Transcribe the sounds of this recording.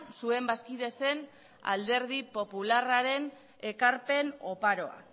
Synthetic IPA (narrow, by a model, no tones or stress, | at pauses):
sue̞mbaskiðe̞se̞n | a̰ld̪e̞ɾðipo̞pularaɾe̞n | e̞kaɾpe̞no̞paɾo̞a̰